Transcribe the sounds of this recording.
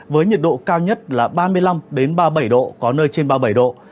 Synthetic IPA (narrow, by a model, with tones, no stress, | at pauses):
vəː˨˦jɲi˨˩t̚ɗo̰˧˨kaː˧wɲə˦˥t̚laː˨˩ɓaː˧mɨ˧əjla˧mɗe˨˦nɓaː˧ɓə˧˩jɗo̰˧˨kɔ˨˦nəː˧jt͡ɕe˧nɓaː˧ɓə˧˩jɗo̰˧˨